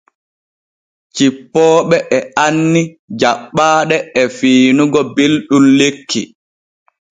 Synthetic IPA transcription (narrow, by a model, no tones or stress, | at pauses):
t͡ʃipːɔːɓɛʔɛanːi | d͡ʒaɓːaːɗɛɛfiːnuɡɔbelɗunlekʰːi